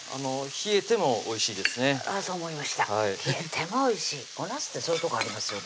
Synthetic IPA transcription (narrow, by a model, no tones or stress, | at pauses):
a̰no̞çie̞t̪e̞mo̞ːiɕiːd̪e̞sɨne̞asoːmo̞imaɕi̥t̪ahaiçiet̪ʰe̞mo̞ːiɕiːonasɨ̥t̪ːe̞soɯt̪o̞kaɾʲimasɨjo̞n